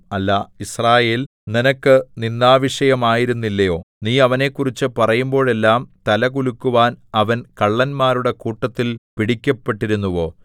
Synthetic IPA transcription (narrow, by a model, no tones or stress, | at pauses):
ɐlːɐisraːje̞ːl | ninɐkːɨninːaːʋiʂɐjɐmaːjiɾunːilːɐjo̞ː | niːɐʋɐne̞ːkːurit͡ɕːɨpɐrɐjumbo̞ːɭe̞lːaːmt̪ɐlɐkulukːuʋaːnɐʋɐnkɐɭːɐnmaːɾuɽe̞kuːʈːɐt̪ːilpiɽikʲːɐpːe̞ʈːiɾunːuʋo̞ː